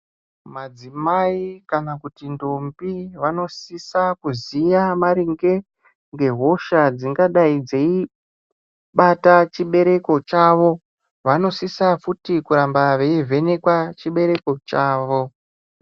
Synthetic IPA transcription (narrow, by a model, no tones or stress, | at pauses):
mad͡zimaikanakutindombiʋano̞sisakuzijamaɾiŋɡe̞ | ŋɡe̞ɦo̞ʃad͡ziŋɡaɗaid͡ze̞i | ɓatat͡ʃiɓe̞ɾe̞ko̞t͡ʃaːʋo̞ | ʋano̞sisafutikuɾambaʋe̞ivʱe̞nekwat͡ʃiɓe̞ɾe̞ko̞t͡ʃaːʋo̞